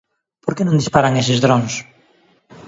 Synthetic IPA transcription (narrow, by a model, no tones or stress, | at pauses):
poɾkenõŋd̪ispaɾaŋesɪzðɾoŋs